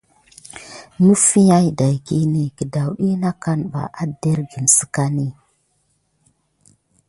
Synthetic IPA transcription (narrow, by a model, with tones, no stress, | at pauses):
nu˦fi˦ja˦jda˨jki˦ni˨ki˨da˨wɗi˦na˦ka˦nɓa̰˨ʔa˦de˦ɾɡi˨nsi̥˨ka˦ni˦